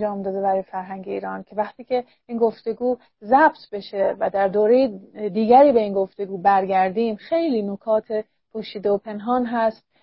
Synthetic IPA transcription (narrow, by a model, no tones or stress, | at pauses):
d͡ʒɒːmd̪ɒːd̪ebæɾɒːjefæɾɦæŋɟeiːɾɒːncʰe̞væχt̪ʰiːcʰe̞ | iːnɡo̞ft̪e̞ɡuː | zæb̥t̪ʰbe̞ʃevæd̪æɾd̪oːɾe̞jed̪iːɡæɾiːbe̞iːnɡo̞ft̪e̞ɡuːbæɾɡæɾd̪iːmxe̞jliːnokʰɒːt̪ʰe | pʰoʃiːd̪eopʰe̞nɦɒːnɦæst̪̚